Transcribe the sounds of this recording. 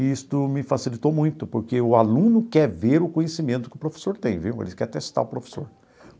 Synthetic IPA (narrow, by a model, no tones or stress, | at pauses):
ist̪ʊmɪfasilit̪omũj̃t̪ʊpoɾkeʊalũnʊkɛɾveɾʊkõɲjesimẽnt̪ʊ̥kɪʊpɾofe̥soɾt̪ẽj̃viwḛlɪkɛɾt̪est̪a̰ʊpɾofe̥soɾ